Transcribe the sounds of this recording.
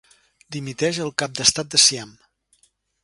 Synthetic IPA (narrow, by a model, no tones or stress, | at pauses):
d̪imit̪ɛʒəlˠkap̚d̪əst̪at̪̚d̪əsiam